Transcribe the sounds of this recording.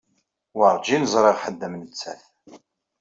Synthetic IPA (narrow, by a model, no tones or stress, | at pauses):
wəɾˤd͡ʒinəzˤɾˤeʁħəd̪ːəmnət͡sːæθ